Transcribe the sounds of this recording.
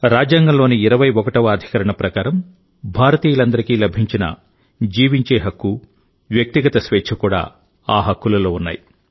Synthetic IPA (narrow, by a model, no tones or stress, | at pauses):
ɾaːd͡ʒjaŋɡɐlːo̞ːniiɾɐʋɐjɔkɐʈɐʋɐːd̪ʱi̥kɐɾɐɳɐpɾɐkaːɾɐm | bʱaːɾɐt̪iːjulɐnd̪ɐɾikiːlɐbʱiɲt͡ʃinɐ̰ | d͡ʒiːʋiɲt͡ʃe̞ːɦɐkːu | ʋjɐk̚t̪iɡɐt̪ɐsʋɛːt͡ʃʰɐkuːɽa̰ː | aːɦɐkːulɐlo̞ːunːa̰ːji